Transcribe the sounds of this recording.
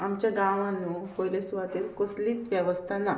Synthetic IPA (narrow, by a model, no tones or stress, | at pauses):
amt͡ɕjaɡaʋãnukojlesuʋat̪iːɾkosliːt̪ʋjɛʋəst̪ʰana